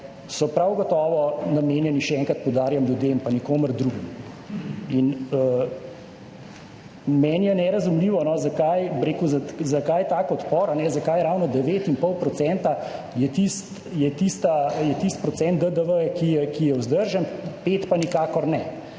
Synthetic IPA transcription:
sɔpɾawɡɔt̪ɔːʋɔnameːnjɛniʃɛɛŋkɾat̪̚pɔwd̪aːɾjamljud̪empanikoːməɾd̪ɾuɡim | inə | mɛːnjɛnɛɾɐzumliːʋɔnɔzakajbɾeːkuzazakajt̪aːkɔt̪pɔːɾanɛzakajɛɾawnɔd̪ɛʋeːt̪inpɔlpɾɔt̪sɛnt̪a | jɛt̪ist̪ | jɛt̪ist̪ajɛt̪ist̪̚pɾɔt̪sɛnt̪̚əd̪əʋəɛkijɛkijɛwzd̪əɾʒənpeːt̪panikaːkɔɾnɛ

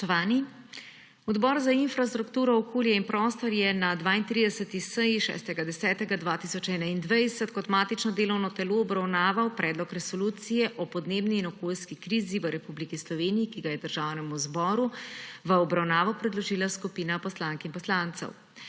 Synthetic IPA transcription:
t̪ɔʋaːni | ɔd̪bɔɾzainfɾast̪ɾukt̪uːɾɔɔkoːljɛinpɾɔːst̪ɔɾjɛnad̪ʋaːint̪ɾid̪ɛsət̪isəjiʃɛ̰ːst̪ɛɡad̪ɛsɛːt̪ɛɡad̪ʋaːt̪isɔt͡ʃɛːnaind̪ʋajɛsɛt̪kɔt̪maːt̪it͡ʃnɔd̪eːlɔwnɔt̪ɛloːɔbɾawnaːʋawpɾɛːd̪lɔkɾɛsɔluːt̪sijɛʔɔpɔd̪neːbniːnɔkoːlskikɾiːziʋəɾɛpublikislɔʋeːnijikiɡajɛd̪əɾʒaːwnɛmuzbɔːɾuʋəɔbɾawnaːʋɔpɾɛd̪lɔʒiːlaskupiːnapɔslaŋkinpɔslaːnt̪sɛ̰w

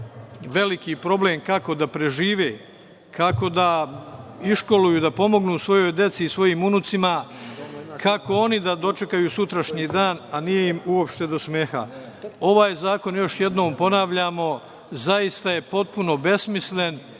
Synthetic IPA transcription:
ʋe̞likipɾo̞ble̞ːmkako̞d̪apɾe̞ʒiːʋeː | kʰako̞d̪a | iʃko̞lujud̪apo̞mo̞ɡnuːsʋo̞jo̞jd̪e̞t̪siːsʋo̞jiːmunut̪sima | kʰako̞o̞nid̪ad̪o̞t͡ʃe̞kajusut̪ɾaʃɲiːd̪aːnanije̞imuo̞pʃt̪e̞d̪o̞smeːxa̰ | o̞ʋaːjzaːko̞njo̞ʃje̞d̪no̞ːmpo̞naʋʎamo̞ | zaist̪aje̞po̞t̪̚puno̞be̞smisle̞n

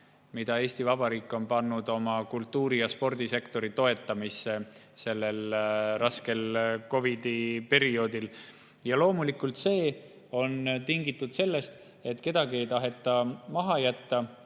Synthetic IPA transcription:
mid̪̥ɑe̞ːst̪ivɑb̥ɑɾiːkːˑo̞npɑnːud̪̥o̞mɑkult̪ːˑuːɾijɑspo̞rd̪̥ise̞kt̪o̞ɾit̪o̞e̞t̪ːˑɑmisːe̞se̞lːe̞lrɑske̞lko̞vid̪̥ipe̞ɾio̞ːd̪il | jɑlo̞ːmulikːˑult̪se̞ː | o̞nt̪iŋɡit̪ːˑud̪̥se̞lːe̞st̪ | e̞t̪ːˑke̞d̪̥ɑɡie̞jt̪ɑɦe̞t̪ːˑɑmɑɦɑjæt̪ːɑ

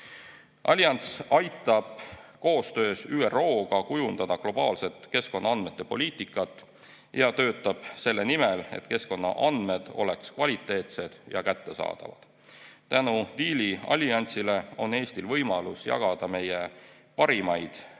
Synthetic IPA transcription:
ʔɑ̰lʲjɑnsɑjt̪ːˑɑb̥ko̞ːst̪ø̞ːsyːero̞ːɡ̥ɑkujund̪̥ɑd̪̥ɑklo̞b̥ɑːlse̞t̪ke̞sko̞nːɑɑnd̪̥me̞t̪ːˑepo̞̰lʲiːt̪ˑikːˑɑt̪ːˑ | jɑt̪ø̞ːt̪ːˑɑb̥se̞lːe̞nimele̞̰t̪ke̞sko̞nːɑ̰ʔɑnd̪̥me̞d̪̥o̞̰le̞kskvɑlʲit̪ˑːe̞ːt̪se̞d̪̥jɑ̰kæt̪ːe̞sɑ̰ːd̪̥ɑ̰vɑ̰d̪̥ | t̪ænud̪iːliɑ̰lʲiɑnʲsile̞o̞ne̞ːst̪ilvɤjmɑlusjɑ̰ɡ̥ɑd̪̥ɑme̞je̞ | pɑɾimɑjd̪̥

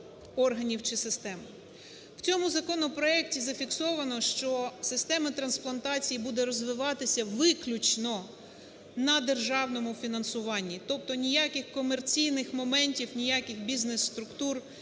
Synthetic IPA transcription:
ɔrɦɐnʲiwt͡ʃɪsɪst̪ɛm | w̥t͡sʲɔmʊzɐkɔnɔpɾɔɛk̚tʲizɐfʲiksɔʋɐnɔʃt͡ʃɔsɪst̪ɛmɐt̪ɾɐnsplˠɐnt̪ɑt͡sʲijibud̪ɛɾɔzʋɪʋɑt̪ɪsʲɐʋɪklʲut͡ʃnɔ | nɐd̪erʒɑwnɔmʊfʲinɐnsʊʋɑnʲːit̪ɔp̚t̪ɔnʲijɑkɪxkɔmert͡sʲijnɪxmɔmɛnʲtʲiwnʲijɑkɪxbʲiznesːt̪ɾʊkt̪ur

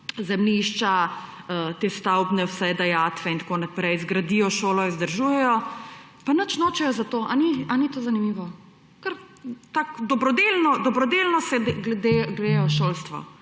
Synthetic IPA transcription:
zɛmniʃt͡ʃa | ət̪est̪awbnɛwsɛjd̪ajaːt̪ʋɛint̪akoːnapɾɛjzɡɾad̪ijɔʃoːlɔizd̪əɾʒujɛjɔ | panət͡ʃnoːt͡ʃɛjɔzat̪oːʔanianit̪oːzanimiʋɔ | kəɾ | t̪akd̪ɔbɾɔd̪elnɔd̪ɔbɾɔd̪elnɔsɛd̪ɡlɛd̪eɡɾeːjɔʃoːlst̪ʋɔ̰

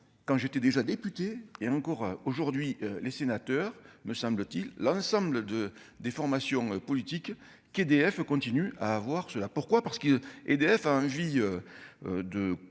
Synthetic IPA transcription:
kɑ̃ʒet̪ɛd̪eʒad̪epyt̪eːɑ̃ŋkɔʁoʒuʁd̪ɥiølesenat̪œʁməsɑ̃blət̪ilːɑ̃sɑ̃bləd̪ə | d̪efɔʁmasjɔ̃øpɔlit̪ik | ked̪eɛfkɔ̃t̪inya̰ːvwaʁsəlapuʁkwapaʁsə̥kəed̪eɛfaɑ̃viøød̪ə

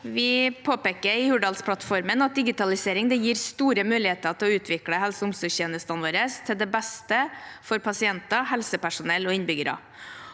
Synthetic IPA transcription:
ʋɪpʰoːpeːkəɾɪhʉɖɑlspʰɽɑt̪fɔɾmənɑt̪̚d̪ɪɡɪt̪ɑlɪseːɾɪŋd̪ɛjiːɾst̪uːɾəmʉːlɪheːt̪ət̪ʰɪlɔʉːt̪ʰʋɪkɽəhɛlsəʊmsʊçeːnəst̪ɑnʋoːɾəst̪ʰɪld̪ɛbɛst̪əfɔɾpʰɑsɪɛnt̪ɑhɛlsəpæʂʊnɛlːoːɪnbʏɡəɾɑ̰

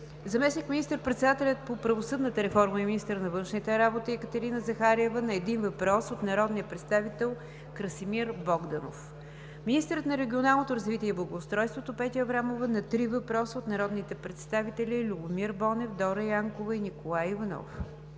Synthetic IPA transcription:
zɐmɛsnikminist̪əɾpɾɛt̪sɛd̪at̪ɛlʲət̪̚popɾəvosɤd̪nət̪əɾɛfɔɾməɛminist̪əɾnɐvɤnʃnit̪ɛɾabot̪iɛkət̪ɛɾinəzɐxaɾiɛvənɐɛd̪invɐpɾɔsot̪nɐɾɔd̪nijəpɾɛt̪st̪avit̪ɛlˠ | kɾəsimiɾbɔɡd̪ɐno̰f | minist̪əɾət̪nɐɾɛɡʲionalˠnot̪oɾɐzvit̪ʲiɛiblˠɐɡoːst̪ɾɔjst̪vot̪opɛt̪iəvɾamovənɐt̪ɾivɐpɾɔsəot̪nɐɾɔd̪nit̪ɛpɾɛt̪st̪avit̪ɛlʲilʲubʊmiɾbɔnɛfd̪ɔɾəjaŋkovɐinikolˠajivɐnɔ̰f

